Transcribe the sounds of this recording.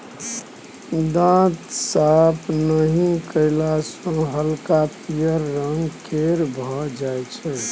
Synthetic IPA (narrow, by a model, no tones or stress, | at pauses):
d̪ãt̪sapʰnəɦĩkəɪlasə̃ɦəlkapijəɾːəŋɡkʰeɾbʱɔd͡ʒajt͡ʃʰɛ